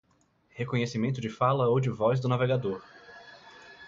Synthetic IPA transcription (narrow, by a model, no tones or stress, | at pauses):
hekõɲesimẽnt̪ʊd͡ʒɪfalɐowd͡ʒɪvɔzd̪ʊnaveɡad̪oɾ